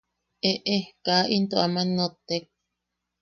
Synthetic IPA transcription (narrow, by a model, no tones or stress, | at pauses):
ʔeʔekaʔint̪oʔamãnot̪ek̚